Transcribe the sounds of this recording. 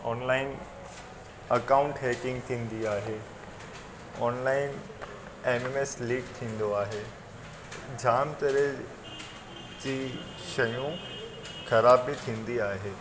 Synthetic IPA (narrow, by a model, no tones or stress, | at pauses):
ɔːnlaːɪn | ɐkaːʊ̃ɳʈɦeːkɪ̃ŋɡt̪ʰĩːn̆d̪iaːɦeː | ɔːnlaːɪn | eːmeːmesliːʈt̪ʰĩːn̆d̪oaːɦeː | d͡ʑʱaːmt̪ɐɾe | d͡ʑiː | ʃɐjũ | xɐɾaːbːit̪ʰĩːn̆d̪iaːɦeː